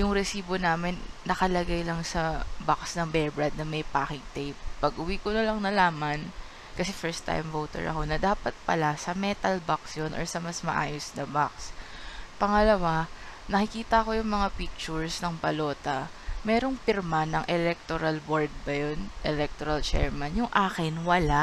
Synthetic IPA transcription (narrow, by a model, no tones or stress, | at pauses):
jʊŋɾɛsiːbo̞naːmɪnːɐkɐlɐɡajlɐŋsɐbaksnɐŋbɛɹbɹad̪̚nɐmɐjpaːkɪŋt̪ɛjp̚ːɐɡ̚ʔʊwikonɐlɐŋnɐlaːmɐn | kɐsɛfɛɹst̪ːa̰jmvoːt̪ɛ̰ɹʔɐ̰ko̞nɐd̪aːpɐt̪̚pɐlasɐmɛt̪ɐlbaksjonʔɔ̰ɹsɐmɐsmɐ̰ʔa̰ːjosnɐbakspɐŋɐlɐwanɐkɪkiːt̪ɐɐko̞jʊŋmɐŋapik̚t͡ʃʊɹsnɐŋpɐlo̞ːt̪ɐ | mɛːɾo̞ŋpɪɾmanɐŋʔɛlɛk̚t̪oɾalboɹd̪̚bɐjonʔɛlɛk̚t̪oɾɐlt͡ʃɛ̰ɹmanjʊŋʔaːkɪnwɐla